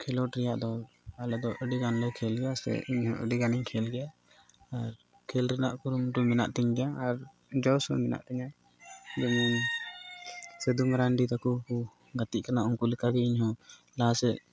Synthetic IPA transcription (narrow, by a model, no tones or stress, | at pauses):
kʰɛlɔʈɾɛjaʔd̪ɔ | alɛd̪ɔʔəɖiɡanlɛkʰɛlɡɛjasɛ̰iɲhɔ̰̃ʔəɖiɡaniɲkʰɛlɡɛjaː | ɾ | kʰɛlɾɛnaʔkuɾumʈumɛna̰ʔt̪ɛɲɡɛjaːɾ | d͡ʒɔwsɔ̰mɛna̰ʔt̪ɛɲa | d͡ʒɔmɛn | sɛd̪umɾaɳɖit̪akuku | ɡat̪iʔkanaʔuŋkulɛkaɡɛiɲɦɔ̃ | lasɛʔ